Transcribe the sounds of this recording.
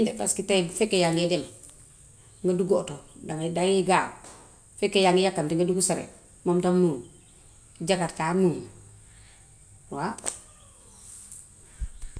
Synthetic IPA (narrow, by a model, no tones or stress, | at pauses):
ndɛba̰skitafekːejaŋɡedem | ŋɡaduɡotodaŋdaŋjiɡa | fekːejaŋɡijakːamtiŋɡaduɡusaɾḛ | momtamuŋ | d͡ʒakatkamuŋ | wa